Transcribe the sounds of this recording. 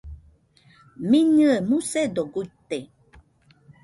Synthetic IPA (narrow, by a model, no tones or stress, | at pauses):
miɲɨemused̪oɡuit̪e